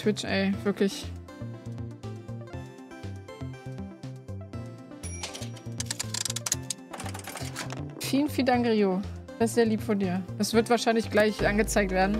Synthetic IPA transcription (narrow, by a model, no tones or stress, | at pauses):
tw̥ɪt͡ʃʔɛɪv̥ɪɐklɪç | fiːlənfiːldaŋkʁiːod̥aɪstz̥eːɐliːpfɔndiːɐd̥asv̥ɪɐtv̥aːɐʃaɪnlɪçɡ̥laɪlçʔanɡət͡saɪk̚tv̥eːɐdn̩